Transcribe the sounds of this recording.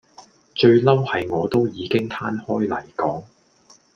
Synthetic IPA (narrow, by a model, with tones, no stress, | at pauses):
t͡ʃɵ˧ɥlɐ˥whɐ˨jŋɔː˨˧t̪o˥wjiː˨˧kɪ˥ŋt̪ʰaː˥nhɔː˥jlɐ˨˩jkɔː˨˥ŋ